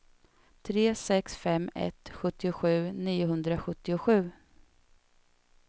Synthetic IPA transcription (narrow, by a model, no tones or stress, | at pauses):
t̪ʰɾeːsɛksfɛmːɛ̰t̪ɧɵt̪ːɪʊɧʉ̟ːniːʊɦɵnd̪ɾaɧɵt̪ːɪʊɧʉ̟ː